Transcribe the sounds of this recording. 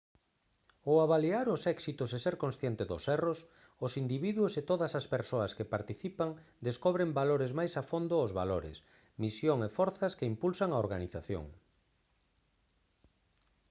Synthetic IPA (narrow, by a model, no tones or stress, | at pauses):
oaβaliaɾʊsɛksit̪ʊseseɾkonsθjɛnt̪ɪzðʊsɛros | ʊsind̪iβiðwʊset̪oðɐsaspeɾsoɐskepaɾt̪iθipaŋ | d̪eskoβɾembaloɾɪzmajsafond̪ʊʊzβa̰loɾɪ̰s | misjoŋefɔɾθɐskeimpulsaŋaoɾɣaniθaθjo̰ŋ